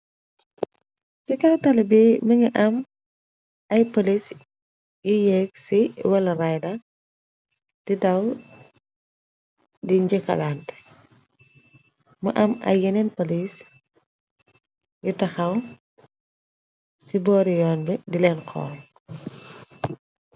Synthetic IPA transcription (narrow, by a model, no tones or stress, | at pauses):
sikɐwtɐlɐbimɐɲiʔɐm | ɐjpolis | jujɛːk̚siwɐlɐrɐjdɐ | tidɐw | diɲd͡ʒikːɐ̰laːnt | mɐ̰ʔɐmɐ̰jːɛnɛnpɐlis | jutɐxɐw | sibɔːɾijɔːnbudilɛnkʰɔ̰ːl